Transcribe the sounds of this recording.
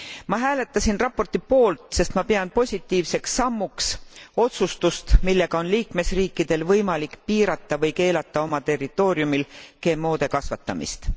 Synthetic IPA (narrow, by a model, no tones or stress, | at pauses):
mɑɦæːle̞t̪ːˑɑsʲinrɑpːo̞rt̪ipo̞ːlt̪ˑse̞st̪mɑpeɑnpo̞sʲit̪ˑːiːvse̞ksːɑmːukso̞t̪sust̪ust̪milːe̞ɡ̥ɑo̞nliːkme̞sriːkːˑid̪̥e̞lvɤjmɑlikpiːɾɑt̪ːˑɑvɤjke̞ːlɑt̪ːˑɑo̞mɑt̪e̞rːit̪ːˑo̞ːɾjumilke̞ːmːo̞ːd̪̥e̞kɑsvɑt̪ːˑɑmḭst̪